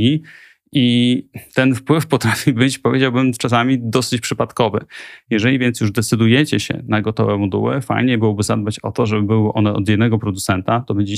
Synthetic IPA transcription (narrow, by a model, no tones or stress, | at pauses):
i | ʔit̪ɛnfpwɘfpɔt̪ɾafʲibɘt͡ɕpɔvjed͡ʑawbɘmt͡ʂas̬amʲid̪ɔsɘt͡ɕpʂɘpat̪kɔvɘ̰jɛʐɛlʲivʲjɛnt̪sjuʐd̪ɛt̪sɘd̪ujɛt͡ɕɛɕɛ̰naɡɔt̪ɔ̰vɛmɔd̪ṵwɘ̰fa̰jɲɛbɘwɔbɘza̰d̪̚bat͡ɕɔ̰t̪ɔʐɛbɘbɘwɘʔɔnɛʔɔ̰d̪jɛd̪nɛɡɔpɾɔd̪ut̪sɛnt̪at̪ɔbɛɲd͡ʑe